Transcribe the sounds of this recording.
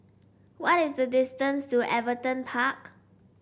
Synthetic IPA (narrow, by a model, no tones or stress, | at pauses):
wɔtɪsdədɪstə̃nstuʔɛvətə̃npʰak